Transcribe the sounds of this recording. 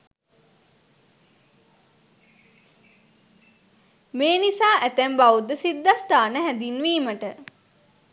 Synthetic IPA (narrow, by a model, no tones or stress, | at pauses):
meːnisaːʔæt̪æmbaʋud̪əsid̪ːast̪aːnəɦæd̪inʋiːməʈə